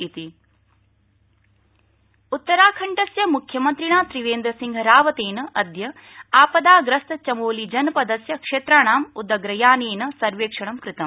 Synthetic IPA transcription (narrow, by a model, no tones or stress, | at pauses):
it̪i | ut̪ːɐɾaːkʰɐɳʈɐsjɐmukʰjɐmɐnt̪ɾiɳaːt̪ɾiʋeːnd̪ɾɐsiŋɡʱɐɾaːʋɐt̪eːnɐʔɐd̪jɐ | aːpɐd̪aːɡɾɐst̪ɐt͡ʃɐmoːlid͡ʒɐnɐpɐd̪ɐsjɐkʂeːt̪ɾaːɳaːmud̪ɐɡɾɐjaːneːnɐsɐɾʋeːkʂɐɳɐmkɾɪt̪ɐm